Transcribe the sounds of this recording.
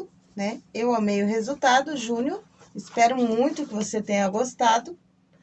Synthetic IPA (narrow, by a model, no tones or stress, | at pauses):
nɛewamejʊɦezut̪ad̪ʊʒũnjoɾ | ɪspɛɾʊmũj̃t̪ʊkɪvoset̪ẽɲɐɡost̪ad̪ʊ